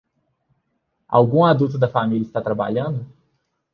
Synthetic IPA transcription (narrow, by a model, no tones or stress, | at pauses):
a̰wɡũad̪ut̪ʊd̪ɐfamilʲiɐɪst̪at̪ɾaba̰ʎɐ̃d̪ʊ